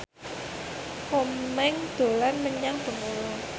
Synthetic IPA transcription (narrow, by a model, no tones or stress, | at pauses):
kommɛŋd̪̥o̤lanməɲaŋb̥ə̤mulo